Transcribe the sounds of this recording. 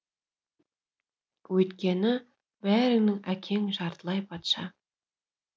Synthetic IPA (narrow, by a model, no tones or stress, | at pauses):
wɵjt̪kʲenɪ | bæɾɪ̆ŋnɪŋækʲʰeŋʒɑɾt̪lˠɑjpʰɑt̪ʃɑ